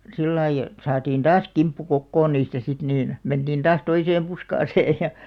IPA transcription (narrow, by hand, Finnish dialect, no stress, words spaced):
silːɑi ĕt sɑːtiːn tɑːs kimpːu kokːoːn niːstæ sit niːn mentiːn tɑːs toiseːm puskɑːseːj jɑ